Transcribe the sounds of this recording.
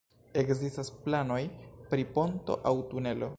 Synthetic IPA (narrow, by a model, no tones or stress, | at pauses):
e̞kzistasplano̞jpɾipo̞nto̞̰ʔawtune̞lo̞̰